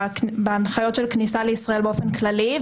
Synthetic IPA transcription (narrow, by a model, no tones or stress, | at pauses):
benχajo̞tʃelknisaleisʁaelbeofenklali